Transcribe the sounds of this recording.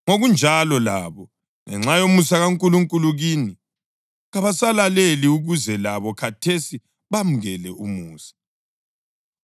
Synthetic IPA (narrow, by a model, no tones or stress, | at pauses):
ŋoɣund͡ʒʱalɔla̰βɔ | ŋɛŋ͡ǁajomusaɣaŋkʼuluŋkʼuluɣini | ɣaβasalaleliuɣuzɛlaβɔkʰatʰesi | βam̩ɣɛlɛumuːsḁ